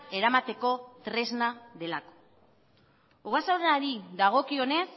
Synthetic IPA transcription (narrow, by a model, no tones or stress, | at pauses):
e̞ɾamat̪e̞ko̞t̪ɾe̞znaðe̞lako̥ | uɣasawɾeaɾiðaɣ̞o̞kio̞ne̞s